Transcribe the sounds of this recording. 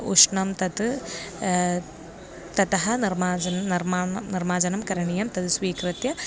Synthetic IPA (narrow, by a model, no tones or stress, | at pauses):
uʂɳɐmt̪ɐt̪ | t̪ɐt̪ɐɦɐniɾmaːd͡ʒɐnnɐɾmaːniɾmaːd͡ʒɐnɐmkɐɾɐɳijɐmt̪ɐt̪usʋiːkɾɨt̪jɐ